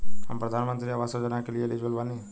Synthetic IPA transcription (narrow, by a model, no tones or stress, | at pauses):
ɦa̰mpɾɐd̪ʱaːnmənt̪ɾiaʋasod͡ʒənakelijelid͡ʒʋəlʋaːni